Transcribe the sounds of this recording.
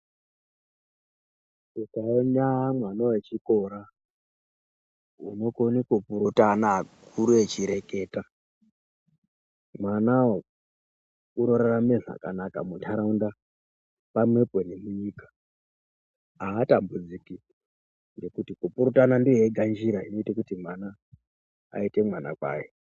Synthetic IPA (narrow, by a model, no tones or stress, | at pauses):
ikaoɲaːmwanowet͡ʃikoɾa | ṵno̞konikupuɾutanakuɾuet͡ʃiɾe̞ke̞ːta | mwanao | uɾoɾarameʐa̰ka̰naka̰muntʰaɾaunda | pamwe̞penemuɲiːkḁ | aːtambud͡ziki | nd͡ʒe̞kutikupuɾutanandieɡʱand͡ʒiɾaino̞itakutimwana̰ː | ite̞mwana̰kwa̰ːje